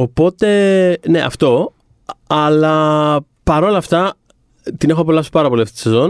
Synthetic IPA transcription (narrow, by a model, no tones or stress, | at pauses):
opo̞t̪e̞ne̞ʔɐ̰ft̪o̞ | ɐlɐ | pɐɾo̞lɐːft̪ɐ | t̪ine̞xopolɐso̥pɐɾɐpo̞liɐft̪i̥t̪sezo̞n